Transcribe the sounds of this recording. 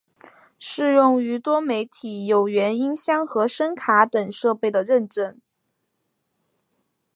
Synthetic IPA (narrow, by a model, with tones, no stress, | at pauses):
ʂɻ̩˥˧jʊ˥˩ŋy˧˥t̪wɔ˥me˧˥ɪt̪ʰi˨˩jo˨˩ʊɥɛ˧˥ni˥nɕjɑ˥˩ŋxɤ˧˥ʂə˥nkʰa˧˥t̪ə˨˩ŋʂɤ˥˧pe˥˩ɪd̪ə˩ɻə˥˧nʈ͡ʂə˥˩n